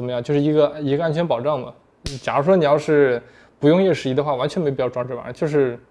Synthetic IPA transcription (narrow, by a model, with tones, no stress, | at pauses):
ə˨nmə˦jɑ˥˧t͡ɕo˥˧ʊʂɻ̩˥˩i˧˥ɡə˧˥˧i˧˥ɡə˧a˥nt͡ɕʰɥɛ˧˥npɑ˨˩ʊʈ͡ʂɑ˥˩ŋmɐ̰˩˨˩ | t͡ɕja̰˨˩ɻu˥ʂwɔ˥ni˨˩jɑ˥˧ʊʂɻ̩˥˩ | pu˧˥jʊ˥˧ŋjɛ˥˩ʂɻ̩˧˥i˧˥d̪ə˧xwa˥˩wa˧˥nt͡ɕɥɛ˧˥nm˧˥˩jɑ˥˩ʊʈ͡ʂwɑ˥ŋʈ͡ʂɻ̩˥˩a̰˨˩˦t͡ɕjo˥˧ʊʂ̬ɻ̩˥˧